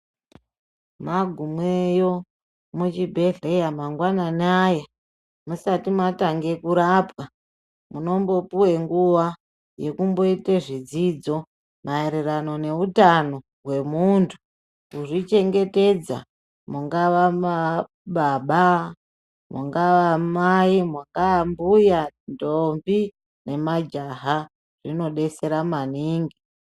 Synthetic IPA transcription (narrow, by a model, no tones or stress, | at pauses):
maɡʱumwejo̞ | mut͡ʃibʱe̞ɮejamaŋɡwananaja | musatimataŋɡe̞kuɾapwa | muno̞mbo̞puwe̞ŋɡuʋa | je̞kumbo̞iteʐid͡zid͡zo̞ | maeɾerano̞ne̞utano̞ | ɦwe̞muntʰu | kuʐit͡ʃe̞ŋɡe̞te̞d͡za̰ | muŋɡaʋama | ɓaɓa | mṵŋɡaʋamaimuŋɡaambujandombi | ne̞mad͡ʒaɦa | ʐ̥ino̞ɗe̞se̞ɾamaniːŋɡi